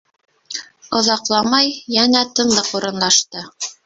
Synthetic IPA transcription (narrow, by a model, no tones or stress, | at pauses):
ŏðɑqlˠɑmɑjːænæt̪ɤ̆nlˠɤquɾɤ̆nlˠɑʃt̪ɤ